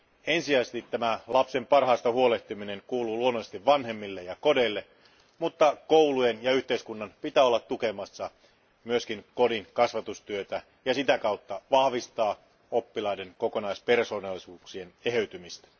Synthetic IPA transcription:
ensiæsest̪it̪ːæmælɑpse̞mpɑrhɑːst̪ɑhuoleht̪imineŋkuːluːluonːosest̪iʋʋɑnɦe̞mːilːejɑko̞deilːe | mut̪ːɑkowlujenjɑyht̪e̞iskunːɑnpit̪æːolːɑt̪tuke̞mɑsːɑ | myøskiŋko̞diŋkɑsʋɑt̪ust̪yøt̪æ | jɑsit̪ækɑut̪ːɑʋɑhʋist̪ɑː | opːilɑideŋkokonɑispe̞rso̞ːnɑlːˑisuːksieneɦeyt̪ymist̪æ̥

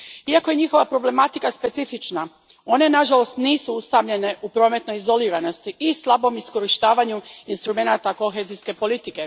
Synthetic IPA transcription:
iako̞je̞ɲixo̞ʋapɾo̞ble̞mat̪ikaspe̞t̪sifit͡ʃna | o̞ne̞naʒalo̞st̪niːsuust̪amʎe̞ne̞ʔupɾo̞ːme̞t̪nojizo̞liːɾano̞st̪iʔislˠabo̞misko̞ɾiʃt̪aːʋaɲuinst̪ɾume̞nat̪ako̞xe̞zijske̞po̞lit̪ike̞

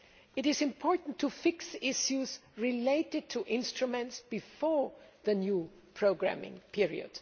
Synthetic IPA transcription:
ɪɾɪzɪ̃mpʰɔɹtn̩tʰufɪksɪsjuzɹɪleɪtɨd̚tʰuʔɪ̃nstɹumɛ̃ntsb̥ɨfɔɹðənju | pʰɹ̥oʊɡɹæ̰mɪ̰̃ŋpʰɪɹḭə̰d̥

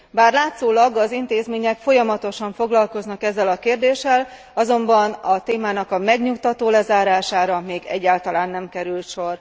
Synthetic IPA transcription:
baːrlaːt̪szoːlɒɡɒzint̪eːzmeːɲɛkfo̞jɒmɒt̪o̞ʃɒɱfo̞ɡlɒlko̞znɒkɛzːɛlɒkeːrd̪eːʃɛl | ɒzo̞mbɒnɒt̪eːmaːnɒkɒmɛɡɲuk̚t̪ɒt̪oːlɛzaːɾaːʃaːɾɒmeːɡɛ̰ɟːaːlt̪ɒlaːnːɛmkɛɾylt̪ʃo̞r

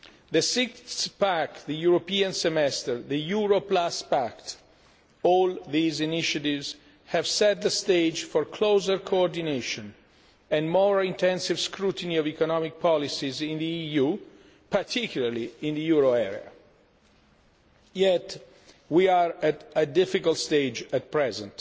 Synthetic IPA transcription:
ðəsɪkθpækðəjuɹopiãnsɛmɛst̪əɹðəjuɹoplaspakt̪ | ɔlðiziniʃativz | hɛvsɛt̪̚ðəst̪eɪd͡ʒfɔɹkʰloːzəɹkʰoɔɹd̪ineʃɔ̃n | ɛ̃nmɔɹĩnt̪ɛ̃nsivskʰɾut̪əniɔvikɔnɔmik̚pɔlisizĩnd̪iiju | pat̪ʰikjulaɹliĩnd̪əjuɹoɛɹḭa̰ | jɛt | wiaɹætədɪfikalt̪st̪ed͡ʒæt̪̚pɹɛzɛ̰̃nt

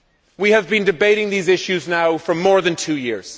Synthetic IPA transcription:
wiɨvbɨ̃ndɨbeɪɾɪ̃ŋðizɪʃʉznaʊfə˞mɔɹðɨ̃ntʰʉjɪɹz̥

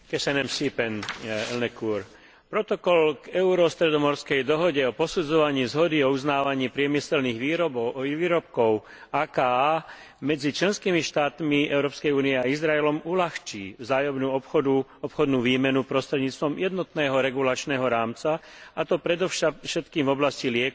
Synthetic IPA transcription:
kɛsɛnɛmsipɛnɛ̰lnɛkuːɾ | pɾɔt̪ɔkɔlɡɛʊɾɔst̪ɾɛd̪ɔmɔɾskɛjd̪ɔɦɔɟɛɔpɔsud͡zɔʋaɲiːzɦɔd̪iɔuznaːʋaɲiːpɾɪɛmisɛlniːɣʋiːʋiːɾɔp̚kɔʊ | aːkaːa | mɛd͡zit͡ʃlɛnskiːmiʃt̪aːt̪miɛʊɾɔːpskɛjuːniɛaizɾaɛlɔmulaxt͡ʃiːvzaːjɔmnuːɔuɔpxɔd̪nuːʋiːmɛnupɾɔst̪ɾɛd̪ɲiːt͡st̪ʋɔmjɛd̪nɔt̪nɛːɦɔɾɛɡulat͡ʃnɛːɦɔɾaːmt͡saat̪ɔpɾɛd̪ɔʃʃɛt̪kiːmvɔblascilɪɛk

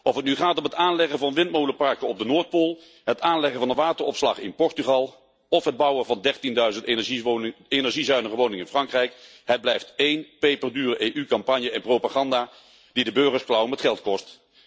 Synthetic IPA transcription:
ʔɔfətnyχaːtɔmɦətaːnlɛχəvɑnʋɪnt̚mowləpɑɹkəɔb̚dənoːɹt̚polˠ | ɦətaːnlɛχəvɑnənʋaːtəɹɔpslɑ̰χɪ̰npɔɹtyχɑlˠ | ɔfɦəd̚bɑwəvɑndɛɹtindœɥzəntniejnɛɹʒizœɥnəχəʋownɪŋɪnfrɑŋkrɛjk | ɦəd̚blɛjftejnpejpərdyːrəʔejʔykɑmpɑnjəɛnprowpaːχɑndaː | d̥idəbøɹχəɹsklɑwəmɛtχɛlˠtkɔst

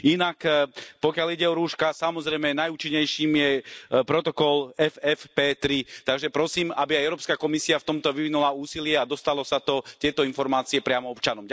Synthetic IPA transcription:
inakpɔkɪaliɟɛɔɾuːʃkasamɔzɾɛjmɛnajuːt͡ʃiɲːɛjʃiːmjɛpɾɔt̪ɔkɔlɛfɛfpɛːt̪ɾit̪aɡʒɛpɾɔsiːmabiajɛʊɾɔːpskakɔmisiaft̪ɔmt̪ɔʋiʋinulauːsilɪɛad̪ɔst̪alɔsat̪ɔt̪ɪɛt̪ɔinfɔɾmaːt͡siɛpɾɪamɔɔpt͡ʃanɔmɟ

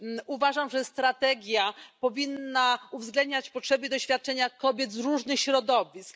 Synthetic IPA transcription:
uvaʐamʐɛst̪ɾat̪ɛɡʲjapɔvʲinːauvzɡlɛnd̪̚ɲat͡ɕpɔtʂɛbɨd̪ɔɕfʲjat̪̚t͡ʂɛɲakɔbʲjɛt̪zɾuʐnɘxɕɾɔd̪ɔvʲisk

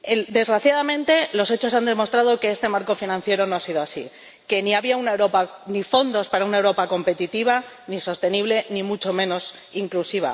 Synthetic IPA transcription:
ed̪e̞zɣɾaθjaðamẽ̞nt̪e̞lo̞se̞t͡ʃo̞sand̪emo̞st̪ɾað̞o̞ke̞est̪emaɾko̞finãn̟θje̞ɾo̞no̞asiðoasḭ | ke̞niaβiaunaewɾo̞panifo̞nd̪o̞spaɾaunaewɾo̞pako̞mpe̞t̪it̪iβ̞a | niso̞st̪e̞niβ̞le̞nimut͡ʃo̞mẽ̞no̞s | iŋklusiβa̰

